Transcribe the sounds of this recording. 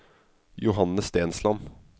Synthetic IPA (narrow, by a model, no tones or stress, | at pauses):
jʊɦɑnːəst̪eːnslɑm